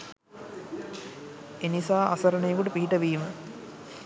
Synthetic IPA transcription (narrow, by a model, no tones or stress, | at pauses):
enisaːʔasɐɾənəjəkuʈəpiɦiʈəʋiːmə